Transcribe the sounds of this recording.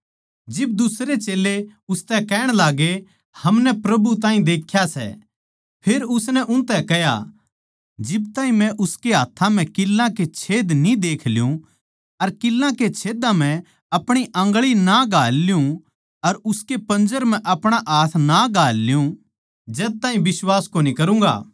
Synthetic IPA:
d͡ʒɪb̚d̪ʊsɾet͡ʃeːlːeʊst̪ɛkɛːɽ̃laːɡe | hɐmnɛpɾɐbut̪aːɦĩd̪eːkʰːjasɛ̰ | pʰeːɾʊsnɛʔʊ̃nt̪ɛkɛja̰ | d͡ʒɪbt̪ãːĩmɛ̃ʔʊskeɦaːt̪ʰːãm̤ɛ̃kɪlːãket͡ʃʰeːd̪nĩd̪eːkʰlɪjũ | ɐɾkɪlːãket͡ʃʰeːd̪ãm̤ɛ̃ | ɐpɽ̃iʔɐ̃ŋɡɭinaɡaːlːɪjũ | ɐɾʊskepɐ̃nd͡ʒəɾm̤ɛ̃ʔɐpɽ̃aʔaːt̪ʰnaɡaːlːjũ | d͡ʒɛːt̪aːɦĩbɪswaːskoːnikɐɾũːŋɡa̰ː

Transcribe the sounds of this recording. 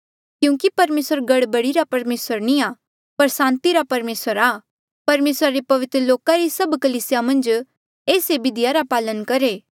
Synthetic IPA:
kjũːkipɐɾmeːsəɾɡɐɽbɐɽiɾapɐɾmeːsəɾnĩaː | pɐɾsãːnt̪iɾapɐɾmeːsəɾa | pɐɾmeːsɾaɾepɐʋɪt̪ɾəloːkaɾisɐbkɐliːsɪjamɐ̃nd͡ʒ | eːsebɪd̪ɪjaɾapaːlənkɐɾeː

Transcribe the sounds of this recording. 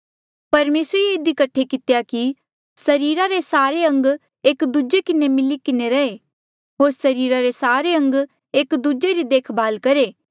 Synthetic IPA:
pɐɾmeːsɾeeɪd̪ikɐʈʰekɪt̪jaki | sɐɾiːɾaɾesaːɾeɐ̃ŋɡ | eːkd̪ud͡ʒekɪnemɪlikɪneɾɐe | ɦoːɾsɐɾiːɾaɾesaːɾeɐ̃ŋɡ | eːkd̪ud͡ʒeɾid̪eːkʰbʱaːlkɐɾeː

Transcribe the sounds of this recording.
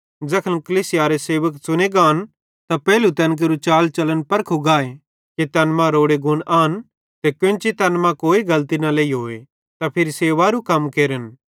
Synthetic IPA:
d͡zɐkʰəlkɐliːsɪjaɾeseːʋəksʊneɡaːn | t̪apɛːlut̪ɛnk̬eɾut͡ʃaːlt͡ʃɐlənpɐɾkʰuɡaːe | ket̪ɐnmãɾoːɽeɡʊnʔaːn | t̪ekʊ̃nt͡ʃit̪ɐnmãkoːiɡɐlt̪inaleːiɦoːe | t̪apʰɪɾiseːʋaɾukɐmkeːɾən

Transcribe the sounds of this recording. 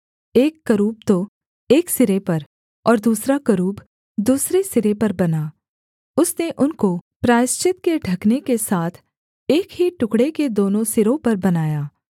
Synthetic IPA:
eːkːɐɾuːb̚t̪o | eːksɪɾepɐɾ | ɔːɾd̪uːsɾakɐɾuːb | d̪uːsɾesɪɾepɐɾbɐnaː | ʊsneʔʊnkopɾaːɪst͡ʃɪt̪̚keɖʱɐknekesaːt̪ʰ | eːkɦiʈʊkɽeked̪oːnõsɪɾõpɐɾbɐnaːjaː

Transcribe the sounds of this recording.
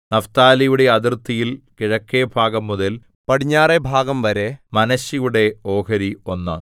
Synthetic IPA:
nɐft̪aːlɐjuɽe̞ɐðirt̪ːijilkiɻɐkːebʱaːɡɐmːuðɐl | pɐɽiɲːaːrebʱaːɡɐmʋɐɾemɐnɐɕijuɽe̞o̞ːɦɐɾio̞nːɨ̰

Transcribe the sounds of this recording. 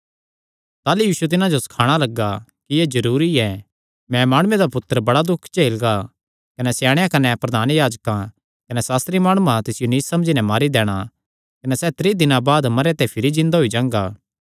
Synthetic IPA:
t̪aːlujiːsuet̪̬ɪnãd͡ʒosɐ̥kʰaːɽ̃alɐɡːakijezɐɾuːɾiɛ | mɛ̃maːɽ̃ʊ̃ẽd̪apʊt̪ːəɾəbɐɽad̪ʊkʰt͡ʃeːlɡa | kɐnɛsjaːɽ̃jãkɐnɛpɾɐd̪ʱaːnjaːd͡ʒkã | kɐnɛsaːst̪ɾimaːɽ̃ʊãt̪ɪsɪjoniːsːɐ̃md͡ʒinɛmaːɾid̪ɛːɽ̃a | kɐnɛsɛt̪ɾiːd̪ɪnãbaːd̪mɐɾet̪ɛ̃pʰɪɾid͡ʒɪ̃nd̪aɦʊid͡ʒãːŋɡaː

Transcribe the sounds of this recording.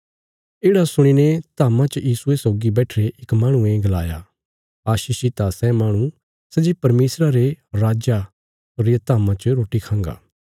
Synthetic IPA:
eːɽasʊɽ̃inet̪aːmãt͡ʃəjiːsuesoːɡibɛːʈʰɾeʔɪkmãːɽ̃ũẽɡɐla̰ːja̰ | aːʃiːʃit̪asɛmaːɽ̃ũ | sɛd͡ʒipɐɾmeːsɾaɾeɾaːd͡ʒa | oɾet̪aːmãt͡ʃəɾoːʈikʰãːŋɡa̰ː

